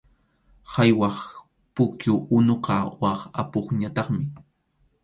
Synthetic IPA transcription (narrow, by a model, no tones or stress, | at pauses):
hajwɑχ | pʊkjʊʔʊnoqɑwɑχa̰poχɲat̪ɑχmɪ